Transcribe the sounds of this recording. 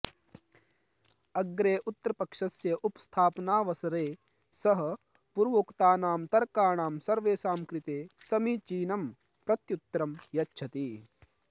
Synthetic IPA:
ɐɡɾeːʔut̪ːɾɐpɐkʂɐsjɐʔupst̪ʰaːpnaːʋɐsɐɾeː | sɐɦɐ | puɾʋoːkt̪aːnaːmt̪ɐɾkaːɳaːmsɐɾʋeːsaːmkɾɪt̪eːsɐmiːt͡ʃiːnɐm | pɾɐt̪jut̪ɾɐmjɐtːʃʰɐt̪iː

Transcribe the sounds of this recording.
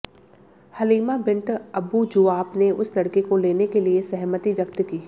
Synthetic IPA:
hɐliːmabɪ̃ɳʈɐbud͡ʒʊaːbneʊslɐɽkekoleːnekeliesɛɦmət̪iʋjɐkt̪kiː

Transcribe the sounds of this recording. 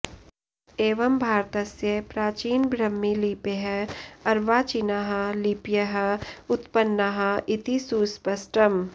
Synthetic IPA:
eːʋɐmbʱaːɾt̪ɐsjɐpɾaːt͡ʃiːnbɾɐmːiliːpeɦɛɐɾʋaːt͡ʃinaɦɐliːpjɐɦɐʊt̪pɐnːaɦɐɪt̪isuːspɐsʈɐm

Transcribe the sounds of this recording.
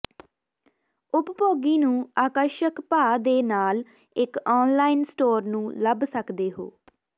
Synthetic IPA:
ʊppoːɡiːnũːaːkəɾʃəkpaːd̪eːnaːl | ɪkɔːnlaːɪnsʈoːɾnũːləbsəkd̪eːɦo̰ː

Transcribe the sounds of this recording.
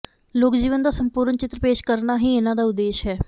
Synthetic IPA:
loːkd͡ʒiːʋənd̪aːsəmpuːɾnt͡ʃɪt̪ɾəpeːʃkəɾnaːɦiːɪnãːd̪aːʊd̪ːeːʃɦɛː

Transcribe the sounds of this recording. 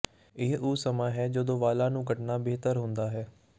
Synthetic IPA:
ɪɦʊːsəmãːɦɛːd͡ʒəd̪õːʋaːlãːnũːkəʈnaːbeːt̪əɾɦʊ̃nd̪aːɦɛː

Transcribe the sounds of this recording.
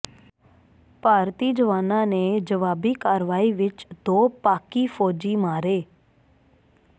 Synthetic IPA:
paːɾt̪iːd͡ʒəʋaːnãːneːd͡ʒəʋaːbiːkaːɾʋaːiːʋɪt͡ʃd̪oːpaːkiːpʰoːd͡ʒiːmaːɾeː

